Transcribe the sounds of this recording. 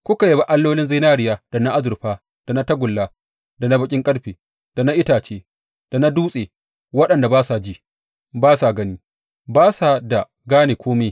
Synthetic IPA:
kʷʊ˦ka˨je˦ba˨ʔa˦lːoː˦lɪ˦nzi˦naː˦ɾɪ˨jaː˨d̥a˨na˦ʔa˦zʊ˨ɾɸaː˦ | d̥a˨na˦tɐ˦ɡʷʊ˨lːaː˦ | da˨na˦bɐ˦kʲʼɪ˦ŋkʼɐ˦ɽɸeː˨ | d̥a˨na˦ʔɪ˦taː˨t͡ʃeː˦ | d̥a˨na˦duː˦sʼeː˨ | wɐ˦ɗɐ˨nda˨baː˦sa˨d͡ʒiː˦ | baː˦sa˨ɡɐ˦niː˦ | baː˦sa˨da˨ | ɡaː˦neː˨kʷoː˦me˦

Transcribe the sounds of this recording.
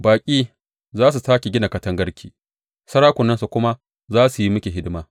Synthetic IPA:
baː˨kʲʼiː˦ | zaː˦s̬u˨saː˦kʲi˨ɡʲɪ˦na˨kɐ˦tɐ˦ŋɡɐ˦ɽkʲʰiː˨ | sɐ˦ɽaː˦kʷʊ˨nːɐ˦nsu˨kʷʊ˦ma˦ | zaː˦su˨ji˦mʊ˦kʲe˨ɦɪ˦dɪ˦maː˦

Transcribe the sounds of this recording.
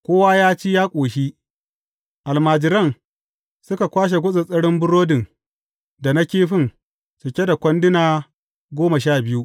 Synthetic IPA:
kʷoː˦wa˦jaː˦t͡ʃiː˦jaː˦kʷʼoː˨ʃi˦ | ʔa˨lmaː˨d͡ʒɪ˨ɾɐ˦˨ŋ | sʊ˦ka˨kʷaː˦ʃ̬e˨ɡʷʊ˦sʼɪ˨sʼɐ˦ɽɪ˦mbʊ˦ɽoː˦dɪ˨ŋ | da˨na˦kʲeː˦ɸɪ˦˨n | sʊ˨kʲe˦da˨kʷɐ˦ndɪ˦naː˨ | ɡʷoː˦ma˨ʃaː˦˨bɪ˦ju˦ʔ

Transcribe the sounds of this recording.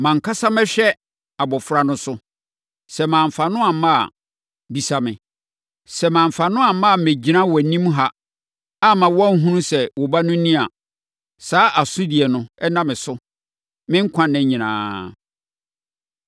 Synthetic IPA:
mã˨ŋ̩˨kʰa˦sa˦mɛ̃˦ɕᶣɛ˦ | a˨bɔ˨fɾa˨nʊ̃˦sʊ˦ | sɛ˨mãː˨m̩˨fa˨nʊ̃˦a˨mã̰˦˨ | bi˨sa˨mɪ̃˨ | sɛ˨mãː˨m˨fa˨nʊ̃˦a˨mã˦˨me˨d͡ʑi˦nã˦wɔ˨˦nĩ˦m˦ɦa˦ | a˦mã˨wɔ˦a˦ŋ̩˦ɦũ˦nũ˦sɛ˨wɔ˨ba˦nʊ̃˦n̩˦nĩ˦a˨ | saː˨˦ʔa˨sʊ̃˦di˨ɛ˨nʊ̃˨ɛ˦nã˦mɪ̃˨sʊ˦ | mɪ̃˦ŋ̩˦kʰã˦nɛ̃˦ɲĩ˨nã̰ː˨˦

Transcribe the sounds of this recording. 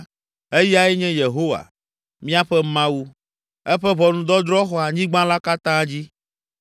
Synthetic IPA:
e˦ji˦a˦ɛ˦ɲɛ̃˦je˨ɦo˦wa̰˨ | mĩ˦a˦ɸɛ˦mã˦wu˦ | ɛ˦ɸɛ˦βɔ˨nũ˨d̪ɔ˦d̪ɾɔ˦xɔ˦a˨ɲĩ˦ɡ͡bã˦la˦ka˦t̪ã˦d͡ʑi˦

